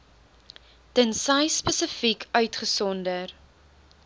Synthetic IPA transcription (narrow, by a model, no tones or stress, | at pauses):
tənsɐjspəsəfikʰœɥtχəsɔndər